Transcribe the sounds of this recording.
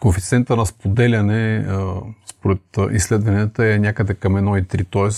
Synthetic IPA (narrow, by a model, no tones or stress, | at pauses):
konfit̪sɛnt̪ənɐspod̪ɛlʲɐnɛ | spoɾɛt̪ʔislɛd̪vɐniɛt̪əɛnʲakəd̪ɛkɐmɛd̪nɔit̪ɾit̪ɔɛs